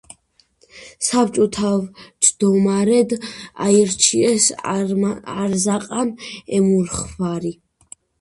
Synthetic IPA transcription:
sap̚t͡ʃʼɔt̪ʰavt͡ʃʼd̪̥ɔmaɾɛd̪a̰iɾt͡ʃʰiɛs | aɾzaqʼanɛmuɾχvaɾi

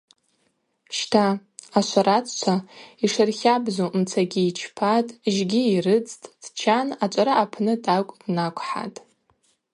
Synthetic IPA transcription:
ʃtʰaːʃʷaɾat͡sʰt͡ʃʷʰaiʂɨrχʲabzomt͡sʰaɡʲiːt͡ʃʰpʰatʼʒɡʲiːrɨt͡sʼtʼd̥t͡ʃʰanat͡ʃʷʼaɾaːpʰnɨdakʷʼd̥nakʷʰʼħa̰tʼ

